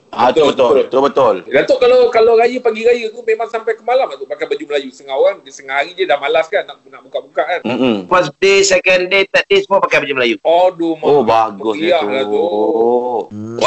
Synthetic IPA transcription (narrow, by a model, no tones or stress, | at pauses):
at̪obət̪ot̪obət̪ʊldat̪oʔkalawkalaɾajəpaɡiɾajət̪umemaŋsampajkəmalamdat̪oʔpakajbad͡ʒuməlajusəŋaoɾaŋdisəŋahaɾid͡ʒədahmalaskanːaʔkunaʔbukaʔbukaʔanm̩m̩fəsdesɛkəndet̪ɛt̪̚desmɔpakajbad͡ʒuməlajuɔdomobaɡəʊsialau